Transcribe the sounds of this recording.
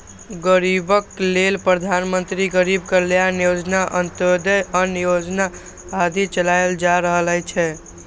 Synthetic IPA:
ɡəɾibəklelpɾəd̪ʱanmənt̪ɾiɡəɾibkəɾljanijod͡ʒnaʔənt̪əd̪əjənijod͡ʒna | ɦad̪it͡ʃəlajld͡ʒaɾəɦələjt͡ʃʰɛ

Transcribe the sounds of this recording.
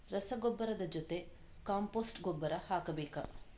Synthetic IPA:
ɾɐsɐɡobːɐɾɐd̪ɐd͡ʒot̪e | kaːmpoːsʈɡobːɐɾɐhaːkɐbeːkɐ̰

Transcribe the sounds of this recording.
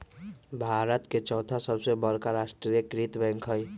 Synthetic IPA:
bʱaɾət̪ket͡ʃɔwt̪ʰasʌbsebʌɾkaɾasʈɾiekɾit̪bɛ̃ŋkʰɦʌj

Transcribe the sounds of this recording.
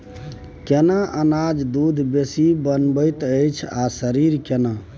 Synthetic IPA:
kenaʔənad͡ʒd̪ud̪ʱbesibənbəjt̪əjt͡ʃʰasəɾiɾkena

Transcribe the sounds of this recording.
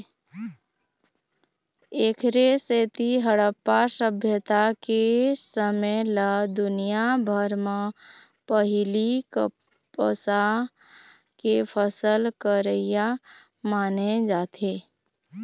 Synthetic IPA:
eːkʰɾeseːt̪iɦəɽəpːasəbʱjət̪akesəmələd̪ʊnijabʱəɾme | pəɦɪlikə | pəsa | kepʰəsəlkəɾəja | maːned͡ʒaːt̪ʰeː

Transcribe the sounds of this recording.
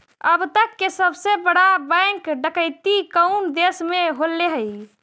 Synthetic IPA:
əbt̪əkːesəbsebəɽabɛ̃ŋkɖəkəjt̪ikəʊnd̪esmeɦolːeɦəj

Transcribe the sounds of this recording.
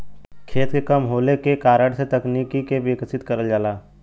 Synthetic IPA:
kʰeːt̪kekəmɦoːlekekaːɾəɽset̪ɐkniːkikebeksɪt̪kəɾəld͡ʒaːlaː

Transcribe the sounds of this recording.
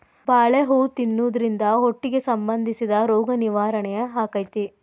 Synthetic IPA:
baːɭeɦuːt̪inːuːd̪ɐɾind̪ɐɦoʈːiɡe̞sɐmbɐnd̪ʱisid̪ɐɾɔːɡɐniʋaːɾɐɳɛjɐɦaːkɐjt̪i

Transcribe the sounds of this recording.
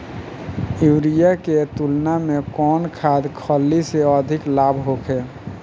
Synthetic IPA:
iwɾijaket̪ulnamekɔːnkʰad̪kʰəlːiseəd̪ʱɪklabʱɦokʰɛː

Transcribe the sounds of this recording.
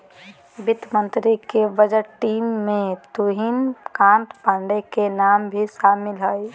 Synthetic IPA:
bɪt̪mə̃nt̪ɾikebəd͡ʒəɾʈiːmːẽt̪uɦinkãːnt̪pãɳɖekenaːmbʱiʃaːmɪlɦəj

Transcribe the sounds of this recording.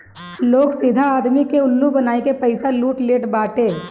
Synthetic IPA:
loːɡsɪd̪ʱaaːd̪mikeʊlːubɐnaːekepɐɪsaluːʈleːʈbaːʈeː

